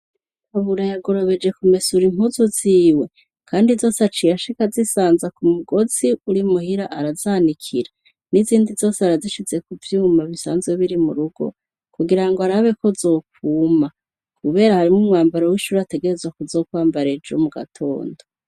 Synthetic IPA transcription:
aβuɾajaɡo̞ɾo̞βe̞d͡ʒe̞kumesuɾim̥huzuziːwe̞ | kʰaːndizo̞ːseat͡ʃijaʃikazisaːnzakumuɡo̞ziuɾimuhiɾaʔaɾazanikʰiɾa | niziːndizo̞ːseaɾaziʃit͡se̞kuvjuːmaβisa̰ːnzweβiɾimṵɾuɡo̞̰ | kuɡiɾaŋɡoaɾaβe̞ko̞zo̞ːk̚uːma | kuβe̞ːɾahaɾimŋumŋaːmbaɾowiʃuɾate̞ɡe̞ɾe̞zwakuzo̞ːkwaːmbaɾe̞d͡ʒomuɡa̰tʰo̞̰ːndo

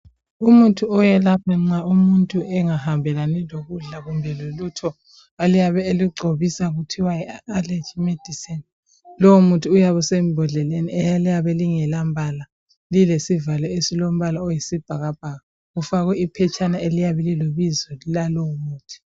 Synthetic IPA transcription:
umutʰʼuɔjɛlapʰaŋ͡ǀaumuntʼuɛŋahambʱɛlanɛloɣuɮaɣumbʱɛlolutʰɔ | alijaβɛeliɡ͡ǀʱoβisaɣutʰiwajɛalet͡ʃimed̥ʱisɛn | lɔumutʰʼiːjaβɔsemibʱɔɮɛleniɛjalijaβɛliŋɛlambʱala | lilesivalɔesilom̩βalaɔjisib̥ʱaɣab̥̚ʱaɣa | ɣufaɣwɛipʰɛt͡ʃʼanaelijaβɛliloβizɔlalɔumuːtʰi̥

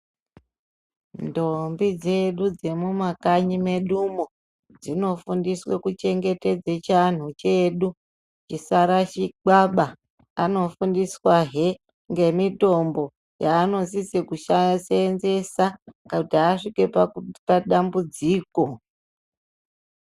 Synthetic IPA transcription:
ndombid͡ze̞ɗud͡ze̞mumakaɲime̞ɗumo | d͡zino̞fundiswḛkut͡ʃe̞ŋɡe̞te̞d͡zet͡ʃan̤ut͡ʃe̞ɗu | t͡ʃisaɾat͡ʃiɡ͡baɓaː | no̞fundiswaɦe | ŋɡe̞mito̞mbo̞ | jaːno̞sisekuʃasenze̞sakautiːʂike̞papaɗambud͡ziːko̞

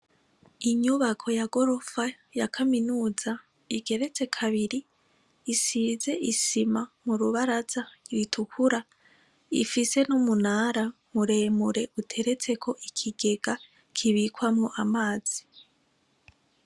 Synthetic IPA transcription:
iɲuβakʰo̞jaɡo̞ɾo̞fa | jakʰaminuːza | iɡe̞ɾe̞t͡se̞kʰaβiɾiː | siːze̞ʔisimamuɾuβaɾaz̥aɾwitʰukʰuɾa | ḭfise̞numunaːɾa | muɾe̞muɾe̞ʔutʰe̞ɾet͡se̞kʰo̞ʔikʰiɡe̞ɡ̥a | kʰiβikwamŋoʔamaːz̥i

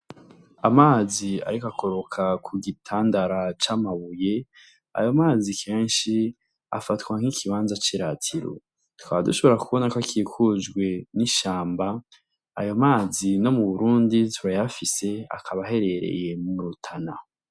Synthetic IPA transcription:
amaːzia̰ɾikakʰo̞ɾo̞kʰakʰuɡitʰaːndaɾat͡ʃaːmaβuje̞ | a̰jo̞maːzikʰe̞ːnʃi | a̰fatɡwaŋ̥hikʰiβaːnzat͡ʃiɾatʰiɾo̰ | tu̥kaβaduʃo̞βo̞ɾakuβo̞nakakiːkʰud͡ʒɡwe̞niʃaːmba̰ː | jomaːzino̞muβuɾuːnditʰβajafise̞a̰kʰaβaɦe̞ɾe̞ɾe̞̰je̞muɾutʰana

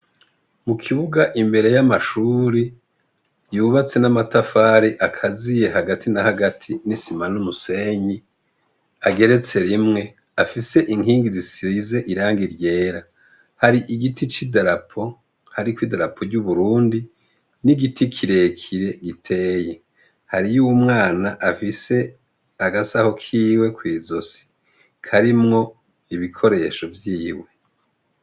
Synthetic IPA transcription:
mukʰiβuɡaʔimbe̞ɾe̞jamaʃuːɾi | juːβat͡se̞namatafaːɾiʔakʰazije̞ɦaɡatʰinahaɡatʰinisimanumuse̞ɲi | aɡe̞ɾe̞t͡se̞ɾimŋe̞ | afise̞ʔiŋɦiːŋɡizisize̞ʔiɾaːŋɡiɾɟe̞ːɾa | haɾiʔiɡitʰit͡ʃidaɾapʰo̞ | haɾikwidaɾapʰo̞ɾɟuβuɾuːndi | niɡitʰikʰiɾe̞kʰiɾe̞ɡitʰe̞ːje | haɾijuːwumŋaːnaʔafise̞ | aɡasaho̞kʰiːwe̞kwiːzo̞si̥ | kʰaɾimŋo̞ | iβikʰo̞ɾe̞ːʃo̞vjiːwe̞

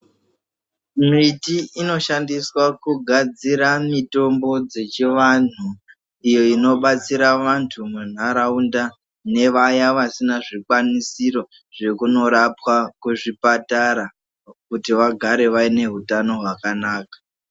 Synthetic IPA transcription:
mitiino̞ʃandiswakuɡʱad͡ziɾamito̞mbo̞d͡ze̞t͡ʃiʋan̤u | ijo̞ino̞ɓat͡siɾaʋantʰumun̤aɾaunda | ne̞ʋajaʋasinaʐikwanisiɾo̞ | ʐe̞kuno̞ɾapwakuʐipataɾa | kutiʋaɡʱaɾe̞ʋaine̞ɦutano̞ɦwakanaːkḁ

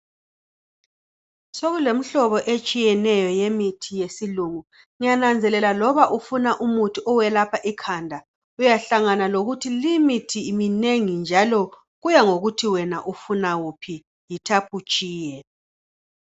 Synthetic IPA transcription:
soɣulem̩ɬɔβɔʔet͡ʃʼijɛnɛjɔjemitʰijesiluŋu | ŋijanand͡zʱɛlɛlalɔβaʔufunaʔumutʰiʔɔwɛlapʰaʔikʰandʱa | ujaɬaŋanaloɣutʰilimitʰiːmineŋind͡ʒʱalɔ | ɣujaŋoɣutʰiwɛnaʔufunawupʰi | jitʰapʰut͡ʃʼiːjɛ

